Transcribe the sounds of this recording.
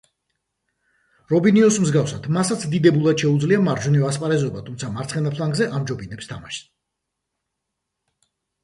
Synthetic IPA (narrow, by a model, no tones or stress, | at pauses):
ɾɔbiniɔsmzɡafsad̪̥masat̪sʰd̪id̪ɛbulˠad̪ʃɛud̪zliamaɾd͡ʒuniɔaspʼaɾɛzɔbat̪ʰumtsʰamaɾt̪sχɛnapʰlˠaŋɡzɛʔamd͡ʒɔbinɛpst̪ʰamaʃ